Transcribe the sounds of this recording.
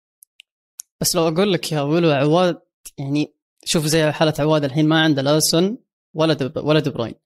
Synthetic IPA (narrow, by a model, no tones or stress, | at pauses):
b̥asːlawʔaɡuːlːakjawɪluʕʊwːaːd̪̚ | jaʕni | ʃuːfzajːħaːlaʕʊwaːd̪ɪlħiːnmaʕɪnd̪alʔaːsʊn | walːad̪walːad̪ɪbɾˤo̰ːjn